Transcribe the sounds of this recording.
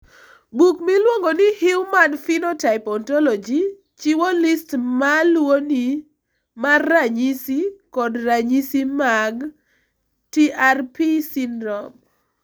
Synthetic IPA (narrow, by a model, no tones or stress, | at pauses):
bukmilwoŋɡonɪhɪwmanfinɔtaɪpɔntɔlɔd͡ʒi | t͡ʃiwolistmalwoni | marːaɲisikɔdraɲisimaɡ | tiarpisindɾɔm